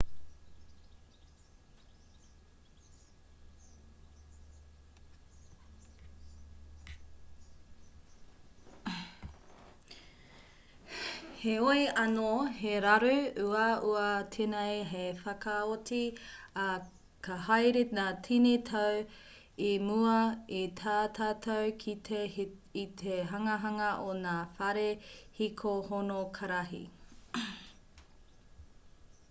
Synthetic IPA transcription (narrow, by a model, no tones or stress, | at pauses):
heojɐnoɦeɾɐɾʉuɐuɐtʰenejɦefɐkɐotiɐ | kʰɐɦajɾinaːtʰinitʰɐw | imuɐit̪ʰaːtʰaːtʰowkʰieit̪ʰeɦɐŋɐɦɐŋɐʔonaːfɐɾehikʰohonokʰɐɾɐɦḭ